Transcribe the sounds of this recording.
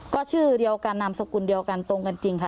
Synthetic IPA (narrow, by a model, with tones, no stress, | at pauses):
kɔː˥˩t͡ɕʰɯː˥˩di˧əwkaː˧nːa˧msa˧kuː˧˩ndi˧əwka˧nt̪o˧ŋka˧nt͡ɕi˧ŋkʰa˦˧˩